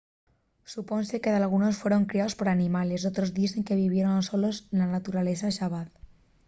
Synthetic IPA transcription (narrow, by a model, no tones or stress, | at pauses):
suponsekeðalɣ̞unosfwe̞ɾo̞ŋkɾiaospoɾanimale̞sot̪ɾozðisθeŋkeβ̞iβ̞jeɾonsolosenlanat̪uɾalesaʃaβaθ